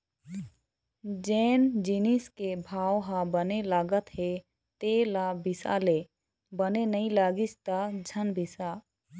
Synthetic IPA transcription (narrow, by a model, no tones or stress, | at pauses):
d͡ʒeːnd͡ʒiniskebʱaːwɦãbənelaːɡət̪ɦe | t̪elabɪsa̰le | bənenəĩlaːɡit͡ʃt̪ad͡ʒʱənbʱisaː